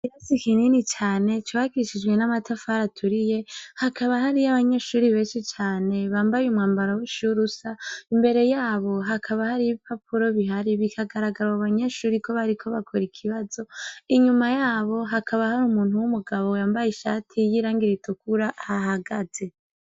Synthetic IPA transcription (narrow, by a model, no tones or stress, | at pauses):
iɾosikininit͡ʃaːne̞t͡ʃoβaɡiɾiʃid͡ʒɡwe̞namatʰafaɾatʰuɾije̞hakʰaβaɦaɾijaβaɲaʃuːɾiβeːnʃit͡ʃaːne̞βaːmbajumŋaːmbaɾouʃuɾusaimbe̞ɾe̞jaːβo̞ɦakʰaβahaɾiiβipʰapʰuɾo̞βiɦaɾiβikʰaɡaɾaɡaɾaaβaɲaʃuːɾiko̞βaɾikʰo̞βakʰoɾikʰiβazo̞iɲumajaːβo̞ɦakʰaβahaɾumuːn̥uwumuɡaβo̞jaːmbajiʃaːtʰijiɾaːŋɡiɾitʰukuɾahaɦaɡaz̥e̞